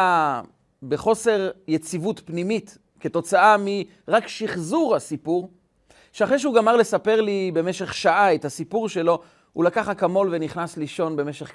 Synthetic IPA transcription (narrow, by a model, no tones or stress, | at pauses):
a | beχo̞se̞ʁjet͡sivutpnimit | keto̞t͡saami | ʁakʃiχzuʁhasipuʁ | ʃeaχʁeʃ̬euɡamaʁle̞sape̞ʁlibe̞meʃe̞χʃaʔaethasipuʁʃe̞lo̞ | hṵlakaχakamo̞lve̞niχnasliʃo̞nbe̞meʃeχ